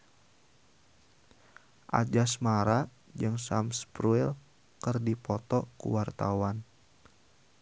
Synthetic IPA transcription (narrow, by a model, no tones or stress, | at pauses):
ʔa̰d͡ʒasmaɾa | d͡ʒɨŋsamspɾuɛl | kərdipɔt̪ɔkṵwart̪awan